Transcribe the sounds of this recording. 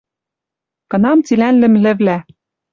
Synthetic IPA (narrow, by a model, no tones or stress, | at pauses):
kɤ̆nɑmt͡silænlɘ̆mlɘ̆βlæ